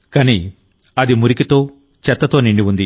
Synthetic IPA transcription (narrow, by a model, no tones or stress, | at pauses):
kɐni | ɐd̪imuɾikit̪o̞ː | t͡ʃɛt̪ːɐt̪oːniɳɖiund̪i